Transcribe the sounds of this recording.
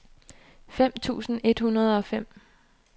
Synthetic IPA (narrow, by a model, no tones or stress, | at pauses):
fem̰t͡sʰṵːsn̩e̝d̥hunɐð̞ˠɒ̽fem̰